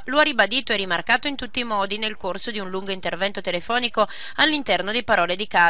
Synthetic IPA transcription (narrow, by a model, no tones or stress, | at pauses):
loaribad̪iːt̪oɛrimarkaːt̪oint̪ut̪ːiːmɔːd̪inelkorsod̪iunluŋɡoint̪ervɛnt̪ot̪elefɔːniko | alːint̪ɛrnod̪ipaɾɔːled̪ikaː